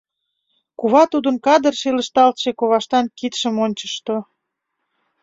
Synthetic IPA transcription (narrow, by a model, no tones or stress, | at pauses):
kuβɑt̪ud̪ə̆nkɑd̪ərʃelə̆ʃt̪ɑlt̪ʃekoβɑʃt̪ɑnkit̪ʃə̆monʲt͡ɕəʃt̪o